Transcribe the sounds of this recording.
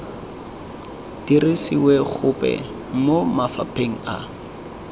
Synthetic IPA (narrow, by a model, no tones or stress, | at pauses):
d̥irisiwɛk͡xʰʊpɛ̰ | momafa̰pʰeŋ̩a̰